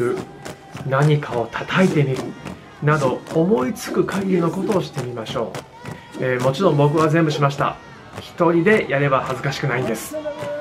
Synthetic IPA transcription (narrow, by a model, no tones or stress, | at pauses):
ɯ̟ | naɲ̟ikʰao̞t̪ʰḁt̪ʰait̪e̞mʲiɾɯ̟ | nad̪o̞ːmo̞it͡sɨ̥kɯ̟kʰaɡʲiɾʲino̞ko̞t̪o̞ːɕi̥t̪e̞mʲimaɕo̞̰ː | eːmo̞t͡ɕiɾõ̞mbo̞k̬ɯ̟β̞azẽ̞mbɯ̟ɕimaɕi̥t̪a̰ | çi̥t̪o̞ɾʲid̪e̞jaɾe̞bahazɨkaɕi̥kɯnaĩnd̪e̞sɨ̥